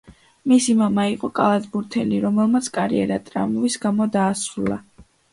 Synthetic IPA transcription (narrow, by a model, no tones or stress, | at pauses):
misimamaiqʼɔkʼalˠazbuɾt̪ʰɛliɾɔmɛlˠmat̪sʰkʼaɾḭɛ̰ɾat̪ʼɾa̰mɔvisɡamɔd̪aːsɾulˠa̰